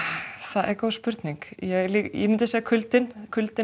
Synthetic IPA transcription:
θaʔɛɾkoːwspʏɾt̪niŋkjɛlijɛ̰mɪnt̪ɪseːɣakʰʏlt̪ɪnkʰʏlt̪ɪ

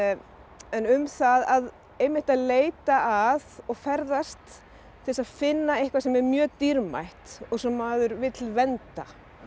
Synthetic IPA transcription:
ɛnʏmθaðað | eːjmɪn̥t̪aðleːjt̪aaðɔɣfɛɾðast̪ʰ | ɪsaðfɪnːaejhkvasɛmɛɾmjœːt̪iɾma̰jht̪ɔɣsɔmːaːðʏɾvɪt̪lvɛnt̪a

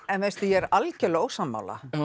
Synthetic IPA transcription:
ɛnvejst̪ɪjɛɛɾalcɛlowsamːa̰wla̰

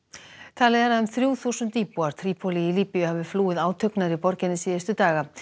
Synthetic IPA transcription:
t̪ʰaːlɪɛɾːaʏmθɾjuːθusʏnt̪iːpuaɾ̥t̪ʰɾiːpʰɔliiliːpijʏhaːvɪfluːɪðaːwt̪ʰœɥknaɾipɔɾcɪnːɪsiːðast̪ʏt̪aːɣa

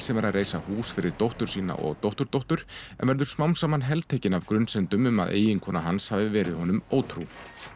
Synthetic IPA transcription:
sɛmɛɾaðreːjsahuːsfɪɾɪɾ̥t̪ɔht̪ʏɾ̥siːna̰ʔɔ̰ɣt̪ɔwht̪ʏɾ̥t̪ɔwht̪ʏɾ̥ɛ̰nvɛɾðʏ̥smawmsamanɦɛlt̪ʰeːjcɪnavkɾʏnsɛnt̪ʏmʏma̰ðḛːjɪŋkʰɔːnaɦanshavɪvɛːɾɪðhɔnʏmoːwt̪ʰɾuː

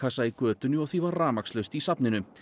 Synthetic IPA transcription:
asaikœːt̪ʏnʏɔɣθivaɾraːmakslœst̪isapnɪnʏ

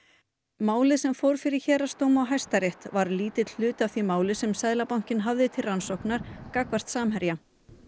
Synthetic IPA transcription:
maːwlɪðsɛmfowɾ̥fɪɾɪ̥çɛːɾast̪owmawɦajst̪aɾɛht̪vaɾliːt̪ɪt̪l̥ʏːt̪avθimaːwlɪsɛmsaðlapawɲ̥cɪnɦavðɪt̪ʰɪlransowhknaɾ̥kakvar̥t̪saːmhɛɾja

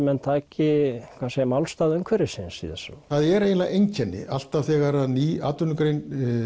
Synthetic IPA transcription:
mɛnt̪ʰaːcɪkʰvaseɛmawlst̪aːðʏmkʰvɛɾɪsɪnssḭːðasɔ̰aðɛɾejnlaʔejɲcɛnːɪ̰al̥t̪avθɛːɣaɾaniːaːt̪ʏnːʏkɾejn

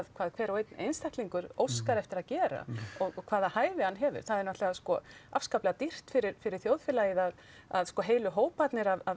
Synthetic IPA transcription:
ðkʰvaːðkʰvɛːɾawejt̪nḛjnst̪akliŋkʏɾo̰wskaɾɛft̪ɪɾaðcɛːɾa̰ɔɣɔkʰaːðahaːjvɪhanːɦɛːvʏ̰ɾ̥θaðɛɾnɔht̪lɛɣaskɔafskaplɛɣat̪ir̥t̪fɪɾɪɾfɪɾɪɾ̥θjowðfɪlaiðað | aðskɔɦeːjlʏɦoːwpat̪nɪɾaða

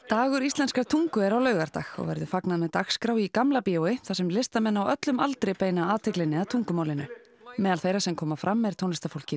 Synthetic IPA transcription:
t̪aːɣʏɾist̪lɛnskaɾt̪ʰuŋkʏɛɾawlœːɥɣaɾ̥t̪a̰xɔ̰vɛ̰ɾðʏfaknaðmɛðt̪axskɾawikamlapjowɪθasɛmlɪst̪amɛnːawœt̪lʏmalt̪ɾejpeːjnaaːt̪ʰɪklɪnːɪaðt̪ʰuŋkʏmawlɪnʏ | mɛːðalθejɾasɛmkʰɔːmafɾʔamːɛɾ̥t̪ʰownɪst̪afowl̥cɪ

